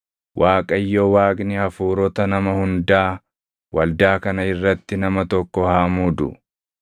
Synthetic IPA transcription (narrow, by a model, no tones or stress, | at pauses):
wʔaːkʼɐjːoːwaːkʼnɪhɐfuːɾɔt̪ɐnɐmɐhʊnd̪aː | wɐld̪aːkɐnɐɪrːɐt̪ːɪnɐmɐt̪ɔkːɔhaːmud̪ʊ̰